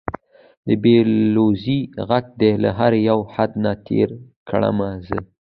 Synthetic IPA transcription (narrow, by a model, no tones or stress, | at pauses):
d̪əbeloziɣak̚d̪ela̰ɦaɾjawhad̪nat̪ʰḛɾkʰɽa̰mazə